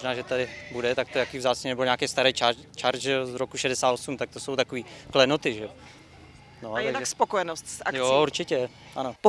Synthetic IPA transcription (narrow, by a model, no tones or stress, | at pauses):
oʒnaːʒɛt̪adɪbudɛt̪ak̚t̪ojakiːvzaːt͡sɲɛnɛboɲaːkɛːst̪aɾɛjt͡ʃat͡ʃaɾʒɛjozɾokuʃɛdɛsaːt̪osumt̪ak̚t̪o̞sowt̪akoviːklɛnot̪ɪʒɛo | noajaaʒɛspokojɛnost̪sʔa̰kjjouɾt͡ʃɪcɛ | ʔanop